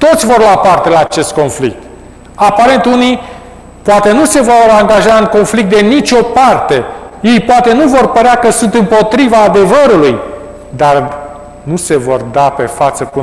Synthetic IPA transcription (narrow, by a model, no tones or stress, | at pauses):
t̪o̞t̪sʲvo̞rlapart̪e̞laːt͡ʃe̞st̪̚ko̞nflḭk̚t̪ | apaɾe̞nt̪uni | poat̪e̞nuse̞vo̞ɾaŋɡaʒaɨŋko̞nflik̚t̪d̪e̞nit͡ʃʲo̞part̪e̞je̞jpoat̪e̞nuvo̞rpəɾeakəsunt̪ɨmpo̞t̪ɾivaːd̪e̞vəɾuluj | d̪ar | nuse̞vo̞̰rd̪ape̞fat̪səku